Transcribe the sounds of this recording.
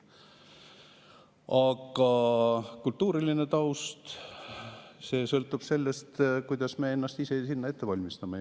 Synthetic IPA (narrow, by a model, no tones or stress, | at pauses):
ɑɡɑkult̪ːuːɾiline̞t̪ɑwst̪ | se̞ːsɤlt̪ːˑub̥se̞lːe̞st̪kujd̪̥ɑsme̞enːɑst̪ise̞sinːɑet̪ːe̞vɑlʲmist̪ɑme